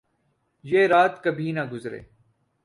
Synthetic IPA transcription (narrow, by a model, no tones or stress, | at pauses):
jeːɾaːt̪kəbʱiːnaɡʊzɾḛː